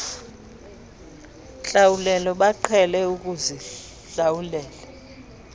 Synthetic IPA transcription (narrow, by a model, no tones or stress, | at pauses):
ɬawulɛlɔɓaǃʰɛlɛuk̬ʼuzi | ɬawulɛːlɛ